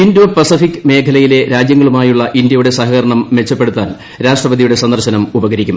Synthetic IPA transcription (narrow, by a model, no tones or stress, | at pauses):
induʋɐpɐsifikʲːɨme̞ːkʰɐlɐjile̞ɾaːd͡ʑjɐŋːɐɭumaːjuɭːɐʔind̪jɐjuɽe̞sɐɦɐɣɐɾɐɳɐmːe̞t͡ɕːɐpːe̞ɽut̪ːaːn | ɾaːʂʈrɐbɐðijuɽe̞sɐnd̪ɐrɕɐnɐmubɐɣɐɾikʲːum